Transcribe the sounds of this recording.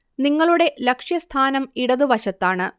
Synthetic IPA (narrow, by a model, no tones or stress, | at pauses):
niŋːɐɭuɽe̞lɐkʂjɐst̪ʰaːnɐmiɽɐðuʋɐɕɐt̪ːaːɳɨ